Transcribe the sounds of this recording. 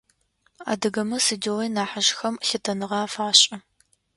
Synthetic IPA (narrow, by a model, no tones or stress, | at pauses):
a̰ːdɨɡɐmɐsɨdiwɐjnaːħaʒxɐmɬɪtʰɐnɨʁɑːfaːɕʼɐ